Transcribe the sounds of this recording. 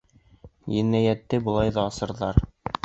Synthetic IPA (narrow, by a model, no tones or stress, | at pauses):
jɘ̆nːæjæt̪ːɘbŏlˠɑjðɑːsɤ̆ɾðɑɾ